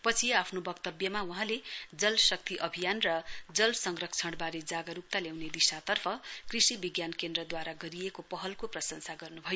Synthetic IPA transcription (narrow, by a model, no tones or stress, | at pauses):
pʌt͡sʰiapʰnobʌkt̪ʌbjʌmauɦãled͡zʌlsʌk̚t̪iʔʌbʱijanrʌd͡zʌlsʌŋrʌk̚t͡sʰʌɽbaɾed͡zaɡʌɾup̚t̪aljawned̪isat̪ʌrpʰʌkrisibiɡjankend̪rʌd̪waɾaɡʌɾiekopʌɦʌlkoprʌsʌŋsaɡʌrnubʱʌjo